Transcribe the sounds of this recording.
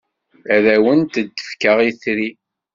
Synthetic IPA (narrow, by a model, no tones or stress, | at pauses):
æðæwənt̪əd̪ːə̥fkəʁiθɾi